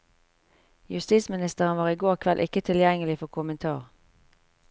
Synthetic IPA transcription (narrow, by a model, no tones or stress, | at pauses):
jʉst̪iːsmɪnɪst̪əʁənʋɑːʁiːɡoːʁkʰʋɛlʔɪ̰kət̪ʰɪljɛŋəlɪfɔʁkʰʊmənt̪ʰɑ̰ːʁ